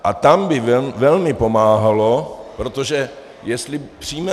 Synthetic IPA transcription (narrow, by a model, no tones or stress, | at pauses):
ʔat̪ambɪvɛvɛlmɪpo̞maːɦalo̞pɾo̞t̪oʒɛ | jɛst̪lɪpr̝̥iːmɛ